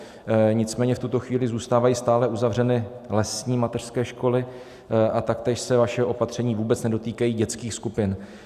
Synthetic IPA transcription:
ɲɪt͡smɛːɲɛft̪ut̪o̞xviːlɪzuːst̪aːvajiːst̪aːlɛʔuzavrɛnɪlɛsɲiːmat̪ɛr̥skɛːʃko̞lɪ | ʔat̪ak̚t̪ɛːʃsɛvaʃɛʔo̞pat̪r̝̥ɛɲiːvuːbɛt͡snɛdo̞t̪iːkajiːɟɛt͡skiːxskupɪn

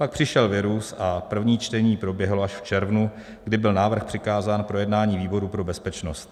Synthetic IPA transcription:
pak̚pr̝̥ɪʃɛlvɪɾusapr̩vɲiːt͡ʃt̪ɛɲiːpɾo̞bjɛɦloaʃft͡ʃɛɾvnu | ɡdɪbɪlnaːvr̩xpr̝̥ɪkaːzaːnpɾo̞jɛdnaːɲiːviːbo̞ɾupɾo̞bɛspɛt͡ʃnost̪̚

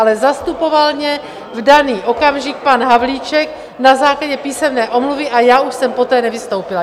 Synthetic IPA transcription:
alɛzast̪upo̞valɲɛ | vdaniːʔo̞kamʒɪk̚panɦavliːt͡ʃɛk | nazaːklaɟɛpiːsɛmnɛːʔo̞mluvɪʔajaːuʃsɛmpo̞t̪ɛːnɛvɪst̪owpɪla

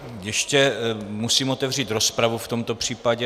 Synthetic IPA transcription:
jɛʃcɛmusiːmo̞t̪ɛvriːt̪ɾo̞spɾavuft̪o̞mt̪o̞pr̝̥iːpaɟɛ

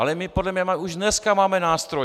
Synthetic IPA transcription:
alɛmɪpodlɛmɲɛmauʒdnɛskamaːmɛnaːst̪ɾo

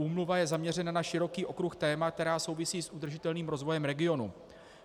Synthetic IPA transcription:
uːmluvajɛzamɲɛr̝ɛnanaʃɪɾo̞kiːʔo̞kɾuxt̪ɛːmak̚t̪ɛɾaːso̞wvɪsiːsʔud̪r̩ʒɪt̪ɛlniːmɾo̞zvo̞jɛmɾɛɡɪo̞nu

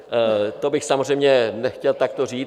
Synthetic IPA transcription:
t̪obɪxsamozrɛjmɲɛnɛxcɛlt̪akt̪oriː

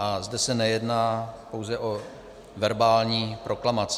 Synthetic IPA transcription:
ʔazdɛsɛnɛjɛdnaːpo̞wzɛʔo̞ | vɛɾbaːlɲiːpɾʔo̞klamat͡s

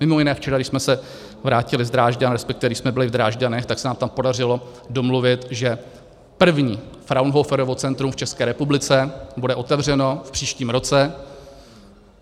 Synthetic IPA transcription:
mɪmojɪnɛːft͡ʃɛɾaɡdɪʃsmɛsɛ | vɾaːcɪlɪzd̪ɾaːʒɟanɾɛspɛk̚t̪ɪvɛdɪʃsmɛbɪlɪvd̪ɾaːʒɟanɛxt̪aksɛnaːmt̪ampo̞dar̝ɪlo̞ | do̞mluvɪt̪ʒɛ | pr̩vɲiːfɾawnɦofɛɾovo̞t͡sɛnt̪ɾumft͡ʃɛskɛːɾɛpublɪt͡sɛbudɛʔo̞t̪ɛvr̝ɛno̞fpr̝̥iːʃciːmɾo̞t͡sɛ

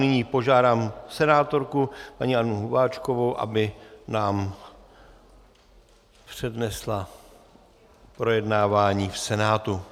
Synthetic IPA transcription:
nɪɲiːpo̞ʒaːdaːmsɛnaːt̪o̞ɾkupaɲiːʔanːʊɦubaːt͡ʃko̞vowʔa̰bɪnaːm | pr̥ɛdnɛsla | pɾo̞jɛdnaːvaːɲiːfsɛnaːt̪u

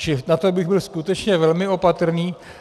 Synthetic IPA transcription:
t͡ʃɪnat̪obɪɣbɪlskut̪ɛt͡ʃɲɛvɛlmɪo̞pat̪r̩niː

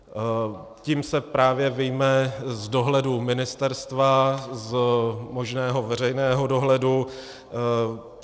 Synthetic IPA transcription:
ciːmsɛpɾaːvjɛvɪjmɛzdo̞ɦlɛdumɪnɪst̪ɛɾst̪vazmo̞ʒnɛːɦo̞vɛr̝ɛjnɛːɦo̞do̞ɦlɛdu

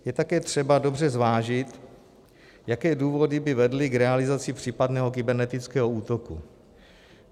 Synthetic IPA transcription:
jɛt̪akɛːt̪r̝̥ɛbado̞brɛzvaːʒɪt̪ | jakɛːduːvo̞dɪbɪvɛdlɪkɾɛalɪzat͡sɪpr̝̥iːpadnɛːɦo̞k̬ɪbɛɾnɛt̪ɪt͡skɛːɦouːt̪o̞kṵ

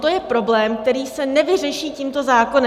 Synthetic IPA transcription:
t̪o̞jɛpɾo̞blɛːmk̚t̪ɛɾiːsɛnɛvɪr̝ɛʃiːcimt̪o̞zaːko̞nɛ

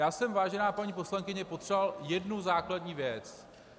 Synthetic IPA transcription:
jaːsɛmvaːʒɛnaːpaɲiːpo̞slaŋkɪɲɛpo̞t̪r̥ɛvaljɛdnuzaːkladɲiːvjɛt͡s

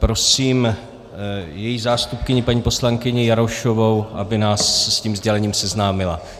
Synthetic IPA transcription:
pɾo̞siːm | jɛjizaːst̪up̚kɪɲɪpaɲiːpo̞slaŋkɪɲɪjaɾoʃo̞vowʔa̰bɪnaːsɛsciːmzɟɛlɛɲiːmsɛznaːmɪla̰

